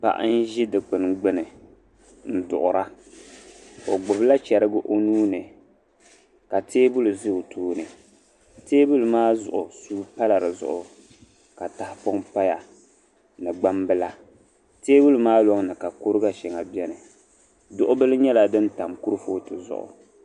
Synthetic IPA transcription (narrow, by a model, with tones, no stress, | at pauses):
pa̰˨ʔa̰˦n̩˦ʒi˦dɨ˨k͡pɨ˨nɡ͡bɨ˦nɨ˨ | n̩˦˨dʊ̰˨ʔʊ˨ɾa˦ | o˨ɡ͡bʊ˨bla˦t͡ʃɛ˨ɾɨ˦ɡʊ˦ʔo˦nuː˦nɨ˨ | ka˨tʰeː˦bʊ˦lu˨zɨ˦ʊ˨tʰuː˦nɨ˨ | teː˦bu˦lu˨maː˦zʊ̰˨ʔʊ˨suː˦pa˦la˨ɾɨ˨zʊ̰˨ʔʊ˨ | ka˨ta˦hpo˦ŋpa˦ja˨ | nɨ˨ɡ͡ba˦mbɨ˦la˦ | teː˦bʊ˦lu˨maː˦lɔ˦ŋ˦nɨ˨ka˨ko˦ɾɨ˦ɡa˦ʃɛ˨ŋa˨bjɛ˦nɨ˨ | dʊ˦ʔʊ˦bɨ˦lɨ˦ɲɛ˦la˨dɨ˦n˦ta˨mku˦ɾɨ˦foː˦tɨ˨zʊ̰˦ʔʊ̰˨